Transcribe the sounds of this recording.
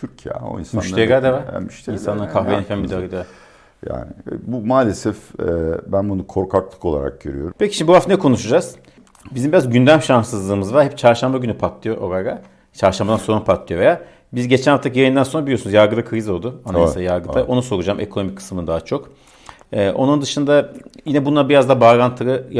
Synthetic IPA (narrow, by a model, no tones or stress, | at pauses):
t̪ʰyɾcʰijɛ̰o̰ḭnsmanyʃeɡaɾd̪evaɾ̰myʃt̪insanˠaɾkʰahvenefæmbid̪aɾɡɯd̪eva | ja̰ːnɪbumaːlʲesɛfɛbænbunukʰo̞ɾkʰaklˠɯ̥kolˠa̰ɾa̰k̚ɟøɾy̰jo̞̰ɾumpʰeciʃimibuvaft̪nɛkʰo̞nuʃud͡ʒaz̥ | bizimbiɾazɟynd̪æmʃansɯzlˠɯːmɯzvaɾhɛp̚t͡ʃʰaɾʃambaɟynypʰat̪lˠɯjoʔoɡaɡa | t͡ʃʰaɾʃambad̪anso̞ɾunpʰat̪lˠɯjo̞ve̞jaː | bizɟe̞t͡ʃʰænhaft̪ʰacʰijajɯnd̪ænso̞nɾabilʲiosunzjaɾɡɯd̪akʰɯɾizolˠd̪uanasejaɾɡɯt̪ajʔo̞nuso̞ɾud͡ʒaːme̞̰kʰo̞no̞mickʰːɯ̥smɯnd̪aːt͡ʃʰo̞k | ɛːʔo̞nund̪ɯʃɯnd̪ajinɛbunlːˠabiɾazd̪abaɾant̪ʰɯɾɯ